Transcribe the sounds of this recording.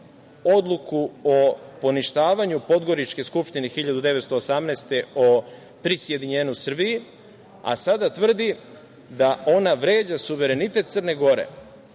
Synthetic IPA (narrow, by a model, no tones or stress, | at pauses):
o̞d̪lˠukuopo̞niʃt̪aːʋaɲupo̞d̪ɡo̞ɾit͡ʃke̞skupʃt̪inexiʎad̪ud̪e̞ʋet̪st̪o̞ːsamneːst̪e̞o | pɾisje̞d̪iɲe̞ːɲusr̩biji | a̰sad̪at̪ʋr̩d̪i | d̪ao̞naʋɾe̞ːd͡ʑasuʋe̞ɾe̞nit̪e̞t̪̚srne̞ɡo̞ɾe̞̰